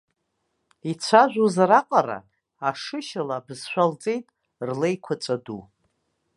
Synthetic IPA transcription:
it͡ɕʷʰaʒᶣʷuzɾaqʼaɾa̰ | aʂɨʃalabzʃʷᶣalt͡sʼe̞jtʼ | rlejkʷʰat͡sʼadṵ

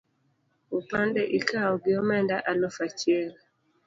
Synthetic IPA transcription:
upandɛʔikaɔɡɪɔmɛndaʔalofat͡ʃjel

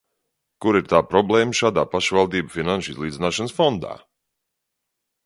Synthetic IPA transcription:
kuɾiɾt̪aːpɾɔblˠɛːməʃaːd̪aːpaʃʋalˠd̪iːbəfinanʃizlˠiːd̪zʲnaːʃansfɔnd̪a̰ː

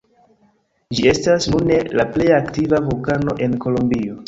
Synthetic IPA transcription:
d͡ʒie̞stasnune̞laple̞jaktivavulkano̞ʔe̞nko̞lombio̞

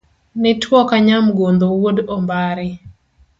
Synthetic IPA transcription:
nɪtwɔkaɲamɡond̪owodombaɾɪ

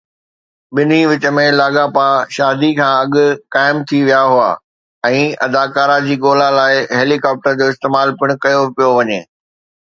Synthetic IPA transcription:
ɓɪn̤iʋɪt͡ɕə̆mẽlaːɠaːpaʃaːd̪ikʰãːɐɠʊ̆kaːɪmt̪ʰiʋijaɦʊa̰ː | ɛ̃ːɐ̰d̪aːkaːɾad͡ʑiːɠoːlãlaːɪɦeːlikɔːp̚ʈəɾd͡ʑoːɪst̪eːmaːlpɪɽ̃ʊ̆kɐjopijoʋɐɲḛː

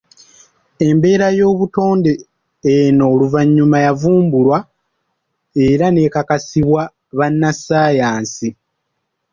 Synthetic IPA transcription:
e̞mbe̞ːɾajo̞ːβuto̞ːnde̞ː | no̞ːluvaɲːumajavuːmbulwa | e̞ɾane̞kakasiβwa | βanːasaːjaːnsi

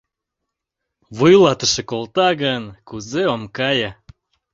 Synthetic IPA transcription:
βujlɑt̪əʃĕkolt̪ɑɣənkuzeomkɑjɑ

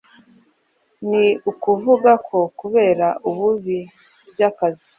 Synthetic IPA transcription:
niukuvuɡakʰo̞kuβe̞ːɾaʔuβuβi | bjaːkazi

